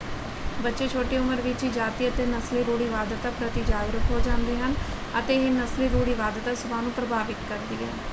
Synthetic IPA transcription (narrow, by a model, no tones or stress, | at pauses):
bətːʃeːt͡ʃʰoːʈeʊməɾʋɪt͡ʃiːd͡ʒaːt̪iːət̪eːnəsliɾoːɽiːʋaːd̪ət̪apɾət̪id͡ʒaːɡɾəkɦoːd͡ʒãːnd̪eːɦən | ət̪eɦenəsliɾoːɽiːʋaːd̪ət̪asʊbaːnũːpɾəbʱaːʋɪk̪kəɾd̪iːɦɛ̰ː